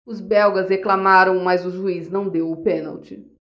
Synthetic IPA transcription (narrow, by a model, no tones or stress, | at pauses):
ʊzbɛwɡɐzheklamaɾɐ̃w̃mɐzʊzuiznɐ̃w̃d̪ewʊpenɐ̰wt͡ʃɪ